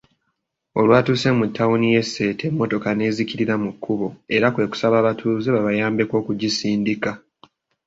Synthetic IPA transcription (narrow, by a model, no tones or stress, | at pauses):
o̞lwaːtuːse̞mutːawunije̞sːe̞ːte̞mːo̞to̞kane̞ːziciɾiɾamukʰːuβo̞e̞ɾakwe̞ːku̥saβaːβatʰuːzeβaβajaːmbe̞ko̞ːkuɟisiːndika